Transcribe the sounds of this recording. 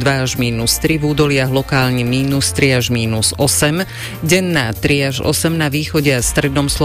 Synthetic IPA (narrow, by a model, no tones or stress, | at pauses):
d̪ʋaaʒmiːnust̪ɾivuːd̪ɔlɪaɣlɔkaːlɲɛmiːnust̪ɾiaʒmiːnuz̥ɔsɛm | ɟɛnːaːt̪ɾiaʒɔ̰sɛmnaʋiːxɔɟɛast̪ɾɛd̪nɔmslˠɔ